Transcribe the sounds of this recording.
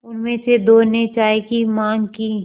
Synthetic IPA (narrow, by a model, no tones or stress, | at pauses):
ʊnmẽsed̪oːnet͡ʃaːekimãːŋɡkiː